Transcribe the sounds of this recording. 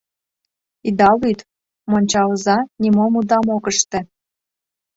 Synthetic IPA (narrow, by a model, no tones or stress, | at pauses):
id̪ɑlyt̪ | monʲt͡ɕɑlzɑnʲimomud̪ɑmokəʃt̪ĕ